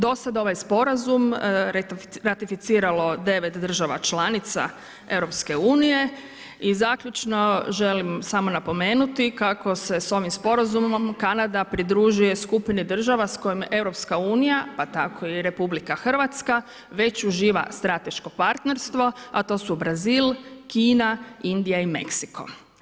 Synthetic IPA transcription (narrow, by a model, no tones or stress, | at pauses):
d̪o̞sad̪o̞ʋajspo̞ɾazum | ɾat̪ifit̪siːɾalo̞d̪e̞ʋet̪d̪r̩ʒaʋa̰t͡ʃlanit̪sa̰ | e̞ʋɾo̞pske̞uːnije̞ | izaːkʎʲut͡ʃno̞ʒe̞limsamo̞napo̞meːnut̪ikako̞se̞so̞ʋimspo̞ɾazummomkanad̪apɾid̪ɾuʒuje̞skupinid̪r̩ʒaʋasko̞jime̞ʋɾo̞pskauːnijapat̪akʰo̞iɾe̞publikaxr̩ʋat̪ska | ʋe̞t͡ɕuʒiːʋa̰st̪ɾat̪e̞ʃko̞paɾt̪ne̞ɾst̪ʋo̞at̪o̞ːsubɾaziːlkiːnaind̪ijaime̞̰ksiko̞̰